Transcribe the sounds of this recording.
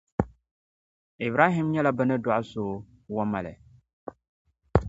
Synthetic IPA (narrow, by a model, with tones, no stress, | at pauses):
i˨bɾa˦ɦɪ˦mɲɛ˦la˦bɨ˦nɨ˦dɔ˦ʔʊ˦soː˨˦ | wɔ˦ma˨lɛ̰˨